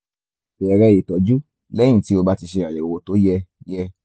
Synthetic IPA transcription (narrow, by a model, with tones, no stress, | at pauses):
ɛ˧ɾɛ˧e˨tɔ˨˦d͡ʒu˦ | lɛ̃˦ĩ˦˨ti˦o˧ba˦ti˧ʃe˧a˨jɛ˨o˨o˨to˨˦jɛ˧jɛ˧